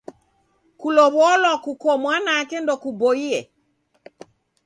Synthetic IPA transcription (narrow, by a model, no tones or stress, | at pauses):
kulɔβɔlɔkukɔmwanakendɔkuboiɛ